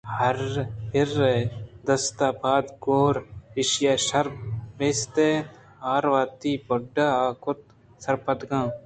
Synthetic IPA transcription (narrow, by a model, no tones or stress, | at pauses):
hɐɾpɪɾːed̪ɐst̪aːbaːd̪ɡoːɾɪʃjaʃɐɾbʋeːst̪e | aːɾʋaːt̪iːpɔɖaaːkʊt̪̚ | sɐɾpɐt̪ɡãː